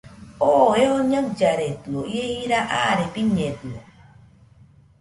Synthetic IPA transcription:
oeoɲãd͡ʒaɾet̪ɨoiehiɾaʔaɾepiɲẽt̪ɨo

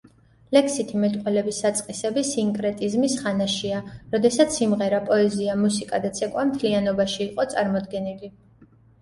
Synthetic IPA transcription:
lɛkʰsit̪ʰimɛt̪ʼqʼwɛlɛbisːat̪sʼqʼisɛbisiŋkʼɾɛt̪ʼizmisχanaʃiaɾɔd̪ɛsat̪sʰimʁɛɾapʼɔɛziamusikʼad̪at̪sʰɛkʼwamt̪ʰlianɔbaʃiːqʼɔt̪sʼaɾmɔd̪ɡɛnili

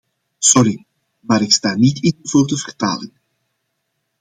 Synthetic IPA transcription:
sɔɾi | maːɾɪkstaːnitɪnɔvoːrdəvərta̰ːlɪŋ

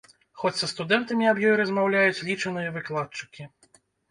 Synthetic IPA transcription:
xɔt͡sʲsɐst̪ud̪ɛnt̪ɐmʲiabjɔjɾɐzmawlʲajut͡sʲlʲit͡ʂɐnɨjɐvɨklˠat̪̚t͡ʂɨ̥kʲi

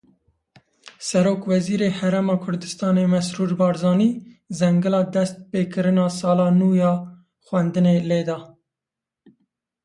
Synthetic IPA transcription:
sɛɾoːkwɛziːɾeːhɛɾemɑːkʰʊɾd̪ɨst̪ɑːneːmɛsɾuːɾbɑːɾzɑːniːzɛŋɡɨlɑːd̪ɛst̪̚peːkʰɨɾɨnɑːsɑːlɑːnuːjɑː | xwɛnd̪ɨneːleːd̪ɑː

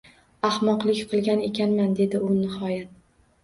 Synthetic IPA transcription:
ahmɒqlˠɪkʲqʰɨlˠɡʲane̞kʲʰanmand̪e̞d̪ɪʊnɪhɒjat̪̚

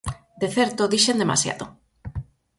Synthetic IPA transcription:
d̪eθɛɾt̪oðiʃend̪ema̰sja̰ðo

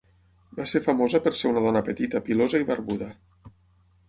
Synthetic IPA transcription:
baseɾfamozəpəɾseunaðɔnəpət̪it̪əpilozəiβəɾβuðə

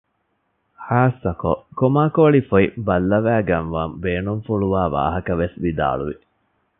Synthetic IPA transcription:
haːsɐko̰komaːkoɭifoibɐlːɐʋæːɡɐnʋɐmbeːnunfuɭuʋaːʋa̰ːɦɐkɐʋesʋid̪a̰ːɭṵʋi

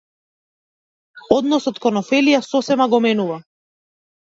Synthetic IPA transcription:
ɔd̪nɔsɔt̪kɔnɔfɛlijasɔsɛmaɡɔmɛnuva

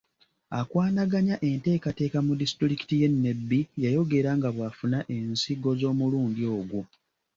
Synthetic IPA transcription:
akwaːnaɡaɲaʔe̞nte̞ːkate̞ːkamudistɾiki̥tije̞nːe̞bːijajo̞ɡe̞ɾaŋɡaβwafunaʔe̞nsiɡo̞zo̞ːmuluːndio̞ːɡwu

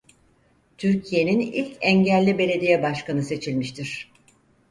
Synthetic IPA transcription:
t̪ʰyɾcʰije̞ninḭlʲcʰɛɲɟælʲːibe̞ɾe̞d̪ijɛbaʃkanɯse̞t͡ʃʰilʲmiʃt̪ʰiɾ̥

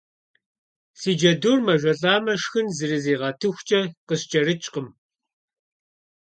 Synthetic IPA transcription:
siːd͡ʒɐdurmɐʒʷɐɬʼaːmɐʂxɨnzɨɾɨziːʁɐtʰɨxʷt͡ʃʼɐqəɕt͡ʃʼɐɾɨt͡ʃʼqəm

